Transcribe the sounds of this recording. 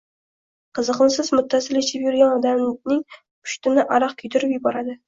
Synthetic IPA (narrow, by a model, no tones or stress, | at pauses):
qʰɨzəqənsɪzmʊt̪ʰːasɪlɪʃʰɪpjʊɾɡʲanɒd̪anɪŋʰ | ʊ̥ʃt̪ɪnɪʔɑɾɑqkʲʰɵjt̪ʰɪɾɪpjɪbɒɾad̪ɪ